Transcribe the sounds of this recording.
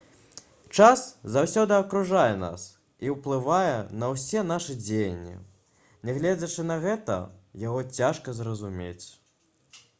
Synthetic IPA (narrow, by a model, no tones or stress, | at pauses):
t͡ʂaszawsʲɔd̪ɨɐkɾuʐajɛna̰s | iwplˠɨvajɛnɐwsʲɛnaʂɨd͡zʲejɐnʲːḭ | nʲɛɣlʲɛd͡zʲɐt͡ʂɨnɐɣɛt̪ɐ̰jaɣɔt͡sʲaʂkɐzrɐzumʲḛt͡sʲ